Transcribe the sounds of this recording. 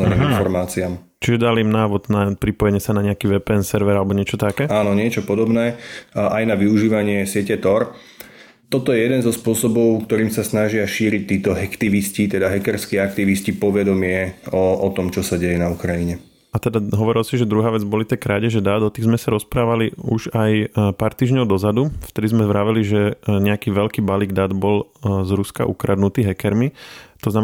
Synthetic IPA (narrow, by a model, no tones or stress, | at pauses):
ɛiminfɔɾmaːt͡siam | t͡ʃiʒɛd̪alimnaːʋɔd̪napɾipɔjɛɲɛsanaɲɛakiʋɛpɛːnsɛɾʋɛɾalɛbɔɲɪɛt͡ʃɔt̪akɛːaːnɔɲɪɛt͡ʃɔpɔd̪ɔbnɛːʔajnaʋiuʒiːʋaɲɪɛsɪɛcɛt̪ɔɾ | t̪ɔt̪ɔjɛjɛd̪ɛnzɔspʊɔsɔbɔʊkt̪ɔɾiːmsasnaʒɪaʃiːɾic̚t̪ːiːt̪ɔɦɛkt̪iʋiscit̪ɛd̪aɦɛkɛɾskiakt̪iʋiscipɔʋɛd̪ɔmɪɛɔɔt̪ɔmt͡ʃɔsaɟɛjɛnaukɾajiɲɛ | at̪ɛd̪aɦɔʋɔɾilsiʒɛd̪ɾuɦaːʋɛd͡zbɔlit̪ɛkɾaːɟɛʒɛd̪aːd̪ɔt̪iɣzmɛsaɾɔspɾaːʋaliuʒajpaːɾt̪iːʒɲɔʊd̪ɔzad̪uft̪ɛd̪izmɛzʋɾaːʋɛliʒɛɲɛakiːʋɛʎkiːbaliːɡd̪aːd̪bɔlzɾuska̰ʔukɾad̪nut̪iːɦɛkɛɾmit̪ɔzna